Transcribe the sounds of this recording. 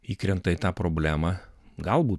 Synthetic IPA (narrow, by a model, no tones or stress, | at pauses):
iːkɾʲɛnt̪ɐɪt̪ɑːpɾoːbʲlʲæːmɑɡɐlˠbuː